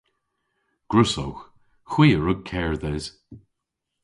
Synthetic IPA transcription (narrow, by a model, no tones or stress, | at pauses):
ɡ̥ɹʊsowx | xw̥iːəɹʊɡ̚kʰɛːɹðɛz̥